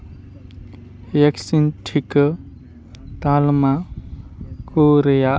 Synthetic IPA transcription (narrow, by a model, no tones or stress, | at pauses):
jeksinʈʰikə | t̪alma | koɾeja